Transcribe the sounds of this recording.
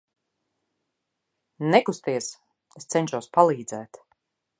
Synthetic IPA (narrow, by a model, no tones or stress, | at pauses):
nɛkust̪iɛs | est̪sɛnʲʃuwspalˠiːd̪zɛːt̪